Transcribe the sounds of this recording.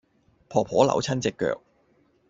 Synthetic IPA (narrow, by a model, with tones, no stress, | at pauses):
pʰɔː˨˩pʰɔː˨˥lɐ̰˨˥wt͡sʰɐ˥nt͡sɪ˨kːœ̰ː˧˨k̚